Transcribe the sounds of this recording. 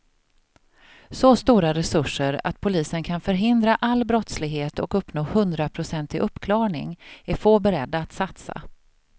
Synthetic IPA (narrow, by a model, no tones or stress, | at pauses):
sost̪uːɾaɾɛsɵʂːəɾa̰t̪̚pʰʊliːsənkʰanfœɾɦɪnd̪ɾaʔalːbɾɔt̪slɪɡɦeːt̪ɔkɵpːnoːhɵnd̪ɾapʰɾʊsɛnt̪ɪʔɵpːkʰlɑːɳɪ̰ŋæɾfoːbɛɾɛd̪ːaːt̪sat̪sa̰